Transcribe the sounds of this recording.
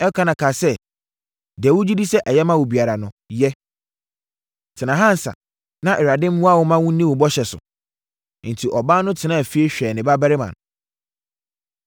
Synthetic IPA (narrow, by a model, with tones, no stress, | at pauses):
ɛ˦kʰã˦nã˨kʰa˨sɛ˦ | di˨ɛ˨wʊ˦d͡ʑi˦di˦sɛ˦ʔɛ˨jɛ˦mã˦wʊ˨bi˨a˨ɾa˨nʊ̃˨jɛ˦ | tʰɪ˨nã˨ɦã˦n̩˨sa̰˨ | nã˦ʔɛ˨ɾa˨dɪ̃˦m̩˦mũ˦a˦wʊ˦mã˦wũ˦nĩ˦wʊ˨bɔ˦ɕɛ˨sʊ̰˨˦ | n̩˨tʰi˨ʔɔ˨baː˦nʊ̃˦tʰɪ˨˦nã˦˨fi˦e˦ɕᶣɛ˨nɪ̃˨ba˦bɛ˦ɾɪ˦mã̰˨n